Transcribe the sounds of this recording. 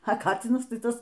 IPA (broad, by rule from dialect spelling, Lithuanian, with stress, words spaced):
ɐ ˈkɑːt͡sʲɪnɐs ˈtɐɪ ˈtɐs